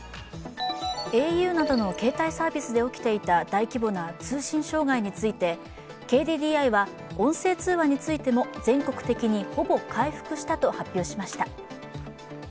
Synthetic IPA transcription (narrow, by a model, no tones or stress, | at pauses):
e̞ːjɯ̟ːnad̪o̞no̞ke̞ːt̪aisaːbʲisɨd̪e̞o̞kʲi̥t̪e̞it̪ad̪aikʲibo̞nat͡sɨːɕĩɰ̃ɕo̞ːɡaiɲ̟it͡sɨit̪e̞ | ke̞ːd̪ʲiːd̪ʲiːaiβa | õ̞ɰ̃se̞ːt͡sɨːβaɲ̟it͡sɨit̪e̞mo̞d͡zẽ̞ŋkokɯ̟̥t̪e̞kʲiɲ̟iho̞bo̞kʰaiɸɯ̟̥kɯ̟ɕi̥t̪at̪o̞hapʲːjo̞ːɕimaɕi̥t̪a